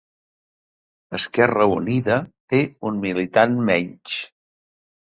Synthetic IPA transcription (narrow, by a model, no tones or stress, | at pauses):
əskɛrəuniðət̪eunmilit̪anmɛɲt͡ʃ